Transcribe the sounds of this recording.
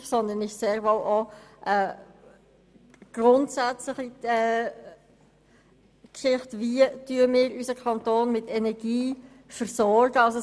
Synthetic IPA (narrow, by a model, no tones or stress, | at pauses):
sɔnd̪ənɪʃseːɾvɔlʔɔʔɛ | ɡ̥rʊntsæt͡sləχiɛː | kʃɪχtvityəmɪːɾysəkʰɑntoːnmɪtɛnɛɾɡ̥iː | fəɾsɔɾɡəɑso